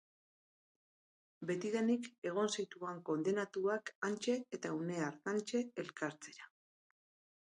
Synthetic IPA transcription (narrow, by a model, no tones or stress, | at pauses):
be̞t̪iðanike̞ɣ̞o̞nsit̪uaŋko̞nd̪e̞nat̪uakant͡ʃe̞ːt̪aune̞aɾtant͡ʃe̞ːlkaɾt͡se̞ɾa